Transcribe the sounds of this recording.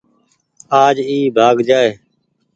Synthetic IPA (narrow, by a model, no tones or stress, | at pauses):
aːd͡ʒiːbʱaːɡd͡ʒaːeː